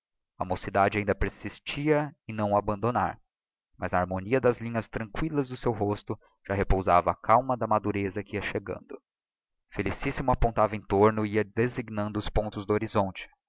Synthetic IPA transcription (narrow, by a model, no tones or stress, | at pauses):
ɐ̰mosid̪ad͡ʒɪaĩnd̪ɐpeɾsist͡ʃiɐɪnɐ̃w̃abɐ̃nd̪ona̰ɾ | mɐznɐaɾmoniɐd̪ɐzlĩɲɐst̪ɾɐ̃ŋkwilɐzd̪ʊsewɦost̪ʊ | ʒ̥aɦepowzavɐːkawmɐd̪ɐmad̪uɾezɐkɪiɐʃeɡɐ̰̃nd̪ʊ | felisisimʊapõnt̪avɐẽt̪oɾnʊiɐd̪eziɡnɐ̃nd̪ʊːspõnt̪ʊzd̪ʊoɾizõnt͡ʃɪ̥